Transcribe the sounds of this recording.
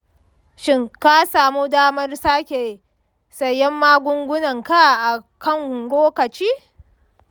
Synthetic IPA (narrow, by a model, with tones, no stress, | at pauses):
ʃɪ˦ŋka˦saː˨mu˦daː˦mɐ˦rsaː˦kʲe˨ | sɐ˨jːɛ˦mːaː˦ɡʷʊ˦ŋɡʷʊ˦nɐ˨ŋka˦˨ʔa˨kɐ˦˨ŋhʊ˨ŋɡʷoː˦kɐ˨t͡ʃiː˦